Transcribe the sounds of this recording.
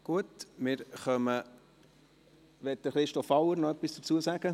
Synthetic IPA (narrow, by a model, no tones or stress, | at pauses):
ɡ̥uətmɪːɾχœmə | ʋɛt̪̚d̥əχɾɪʃtɔfɑʊəɾnɔœpisd̥ə̥t͡suːəsæːɡ̥ə